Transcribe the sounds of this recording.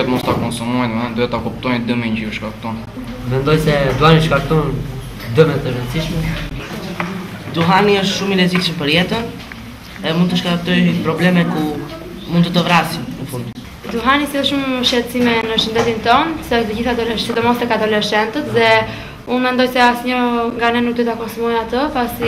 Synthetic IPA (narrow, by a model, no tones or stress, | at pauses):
ɛt̪mɔst̪akɔnsumuajnɛd̪uɛt̪akɔp̚t̪ɔjnd̪əmɛɲd͡ʒiuʃkaɾk̚t̪ɔn | mɛnd̪ɔjsɛd̪uhaniʃkaɾk̚t̪ɔn | d̪əmɛt̪əɾɛnsiʃmɛ | d̪uɦaniəʃt̪ʃumilɛziksmpəɾjɛt̪ən | ɛmund̪ut̪əʃkak̚t̪ɔjpɾɔblɛmɛku | mund̪ut̪əvɾasinəfund̪u | d̪uɦanisilˠʃuməʃɛt͡simɛnəʃənd̪ɛt̪int̪ɔnsɛəʃt̪əd͡ʑiθad̪ɔlɛsid̪ɔmɔst̪ɛkat̪ɔlɛʃɛnt̪ət̪ðɛ | unmɛnd̪ɔjsɛasɲəŋɡanɛnuk̚d̪ɔt̪akɔnsumɔjat̪əpasi